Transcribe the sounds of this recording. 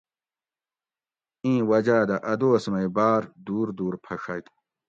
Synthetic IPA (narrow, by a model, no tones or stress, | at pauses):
ĩːwɐd͡ʑaːd̪ɐʔɐd̪oːsmɐjbaːɾd̪uːɾd̪uːɾpʰɐʂɐt̪